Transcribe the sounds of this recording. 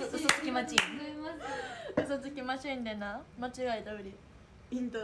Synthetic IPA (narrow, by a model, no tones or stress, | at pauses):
sosɨt͡sɨkʲimat͡ɕimasɯsɨt͡sɨkʲimaɕĩnd̪enamat͡ɕiɡait̪abɯɾʲi | ĩnt̪